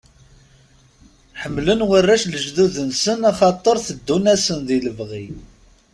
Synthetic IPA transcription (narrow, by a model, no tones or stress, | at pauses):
ħəmːlənwərːæʃləʒðuðənsənæχɑt̪ˤːəɾˤθəd̪ːunæsənðiləvʁi